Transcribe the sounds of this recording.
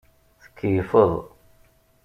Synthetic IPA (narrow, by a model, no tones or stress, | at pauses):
θə̥kʰːjəfəðˤ